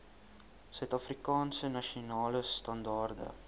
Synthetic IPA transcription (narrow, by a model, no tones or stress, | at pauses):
sœɥtɐfrikɑːnsənɐʃionɑːləstɐndɑːrdə̰